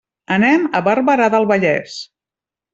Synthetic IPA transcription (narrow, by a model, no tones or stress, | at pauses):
ənɛməβərβəɾaðəlˠβəʎɛ̰s